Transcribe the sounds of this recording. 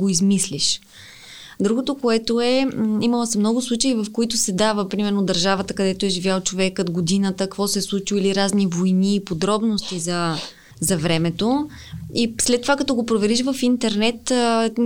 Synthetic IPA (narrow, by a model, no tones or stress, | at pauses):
ɡoizmisliʃ | d̪ɾuɡot̪okoɛt̪oɛimɐlˠəsɛmnɔɡʊslˠut͡ʃəivɐfkoit̪ʊsɛd̪avəpɾimɛɾnod̪ɐɾʒavət̪əkɐd̪ɛt̪oɛʒivʲjalˠt͡ʃovɛkət̪ɡod̪inət̪əkkvɔsɛslˠut͡ʃiviliɾaznivojniːpod̪ɾɔbnost̪izɐ | zɐvɾɛmɛt̪o | islɛt̪ːovakɐt̪ɔɡopɾovɛɾiʃvɐfint̪ɛɾnɛt̪